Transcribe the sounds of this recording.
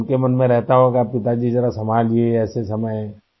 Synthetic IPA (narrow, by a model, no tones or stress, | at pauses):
nkemɐnmẽɾɛɦt̪aɦõkapɪt̪ad͡ʒizɐɾasɐmaːd͡ʒiɛɛːsesɐməjɛ̃